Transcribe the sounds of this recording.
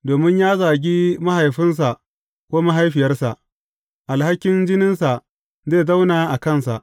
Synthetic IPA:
doː˨mɪ˦ɲjaː˦zaː˨ɡʲi˦ma˦ɦa˨jɸɪ˦ns̬a˨ʔ | kʷoː˦ma˦ɦa˦jɸɪ˨jɐ˦rsa˨ʔ | ʔa˨lha˦kʲːɪ˦nd͡ʒɪ˦nɪ˦nsa˨ | zeː˦˨za˦wnaː˨ʔa˨kɐ˦˨nsa̰˨ʔ

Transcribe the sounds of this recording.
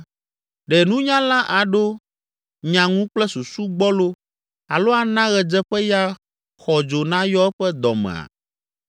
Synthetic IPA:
ɖɛ˨nũ˦ɲã˦lã˦ʔa˨ɖo˦ | ɲã˨ŋũ˦k͡plɛ˦su˨su˦ɡ͡bɔ˦lo˦ | a˨lo˦a˨nã˦ɣɛ˨d͡ʒɛ˦ɸɛ˦ja˦ | xɔ˨d͡ʒo˨nã˦jɔ˦ɛ˦ɸɛ˦d̪ɔ̰˨mɛ̰̃˨a̰˨

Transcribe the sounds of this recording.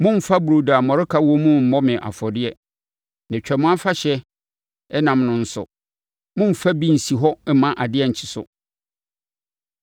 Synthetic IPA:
mʊ̃˦m̩˨fa˦bu˨ɾo˨da˨mɔ̃˨ɾɪ˦kʰa˦wɔ˦mʊ̃˦m̩˦mɔ˦mɪ̃˨ʔa̰˨fɔ˨dɪ˦ɛ˦ | nɪ̃˨t͡ɕᶣɛ˨mʊ̃˦a˦fa˦ɕɛ˦ | ɛ˦nã˨mnʊ̃˦n̩˦sʊ̰˨ | mʊ̃˦m̩˨fa˦bi˦n̩˨si˨ɦɔ˦ɛ˦mã˦ʔa˨dɪ˦ɛ˨ɲ̩˨t͡ɕʰɪ̥˨sʊ̰˨

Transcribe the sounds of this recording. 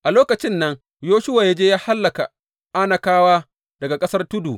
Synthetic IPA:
ʔa˨loː˦kɐ˨t͡ʃɪ˦nːɐ˦ŋ | joː˦ʃʊ˦waː˨ja˦d͡ʒeː˦jaː˦ha˦lːɐ˨ka˨ | ʔa˦nɐ˨kaː˦waː˦ | dɐ˨ɡa˨kʼɐ˦sɐ˦rtʊ˦duː˨

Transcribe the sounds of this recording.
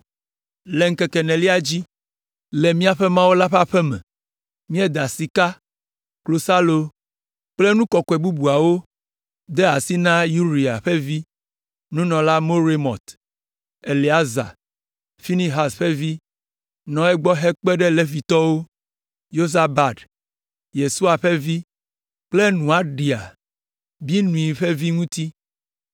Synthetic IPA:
le˨ŋ̩˦kɛ˨kɛ˨nɛ̃˨li˦a˨d͡ʑi˦ | le˨mĩ˦a˨ɸe˦mã˦wo˦la˦ɸa˦ɸɛ˦mɛ̰̃˨ | mĩ˦ɛ˦d̪a˨si˨ka˦ | klo˨sa˦lo˦ | k͡ple˦nũ˦kɔ˨kɔ˨e˨bu˦bu˨a˨wo˦ | d̪e˦a˨si˦nã˦ju˦ɾi˨a̰˨ɸe˦vi˦ | nũ˦nɔ̃˨la˦mo˦ɾe˦mɔ̰̃˨t̪ | e˨li˨a˦za̰˨ | fi˦nĩ˦ɦa˨sɸe˦vi˦ | nɔ̃˨ɛ˦ɡ͡bɔ˦ɦe˦k͡pe˦ɖe˦le˨vi˨t̪ɔ˦wo˦ | jo˦za˨ba˨d | je˨su˦a˨ɸe˦vi˦ | k͡ple˦nũ˨a˨ɖi˨a̰˨ | bi˦nũ˨i˨ɸe˦vi˦ŋũ˦t̪i˦

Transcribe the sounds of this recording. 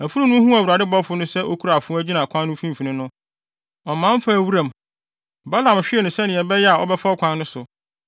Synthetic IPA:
æ˨fu˦ɾũ˦nʊ̃˦hũ˦æ˨wu˨ɾa˨dɪ˦bɔ˦fʊ˦nʊ̃˦sɛ˦ʔo˦kʰu˦ɾa˨fʊ̃˦æ˦d͡ʑi˦nã˨kʷʰã˦n˦nʊ̃˦fĩ˦m˨fi˨nɪ̃˦nʊ̃˦ | ɔ˨mã˦m˦fa˦˨wu˦ɾã˨m | ba˦lã˨m˨ɕᶣɪ˦ɛ˨nʊ̃˨sɛ˦nɪ̃˨ɛ˨bɛ˦jɛ˦a˨ɔ̰˦bɛ˦fa˦ɔ˦kʷʰã˦nːʊ̃˦sʊ˨

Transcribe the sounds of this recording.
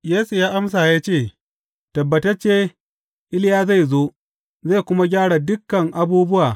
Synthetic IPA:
jeː˦su˨jaː˦ʔa˦ms̬aː˨jaː˦t͡ʃeː˦˨ | tɐ˨bːɐ˨tɐ˦t͡ʃeː˦ | ʔɪ˦lɪ˦jaː˦za˦˨jzoː˦ʔ | za˦˨jkʷʊ˦ma˦ɡʲaː˦ɽa˨dʊ˦kːɐ˨ŋʔa˦buː˦bʊ˦wʔaː˨

